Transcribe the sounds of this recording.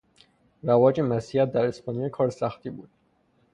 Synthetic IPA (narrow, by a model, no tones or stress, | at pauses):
ɾævɒːd͡ʒemæsiæt̪̚d̪æɾespʰɒːnijɒkʰɒːɾsæxt̪ʰibuːd̪̥